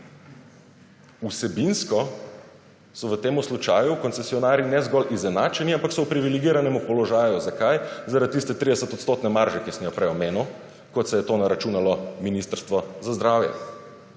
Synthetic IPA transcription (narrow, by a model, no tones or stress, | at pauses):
usɛbinskɔ | sɔʋət̪eːmuslut͡ʃaːjukɔnsɛsiɔnaːɾjinɛzɡɔlʔizɛnaːt͡ʃɛniampaksɔupɾiʋiliɡiːɾanɛmupɔlɔʒaːjuzakajzaɾat̪̚t̪ːist̪ɛt̪ɾid̪ɛsət̪ɔt̪st̪oːt̪nɛmaɾʒɛkismjɔpɾɛɔmeːnu | kɔt̪sɛjɛt̪oːnaɾat͡ʃunalɔminist̪əɾst̪ʋɔzazd̪ɾawjɛ̰